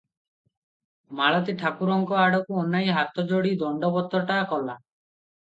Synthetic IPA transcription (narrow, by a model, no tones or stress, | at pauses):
maɭɔt̪iʈʰakuɾɔŋkɔaɽɔkuɔnːajɦat̪ɔd͡ʒoɽid̪ɔɳɖɔbɔt̪ɔʈakɔla